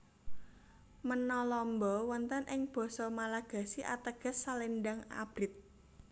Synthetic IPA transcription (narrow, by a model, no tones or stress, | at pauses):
mənɔlɔmbɔwɔnt̪ənʔɪŋb̥ɔ̤sɔmalaɡ̥a̤siʔa̰t̪əɡ̥ə̤sːalinɖaŋa̰b̥ɾɪt̪̚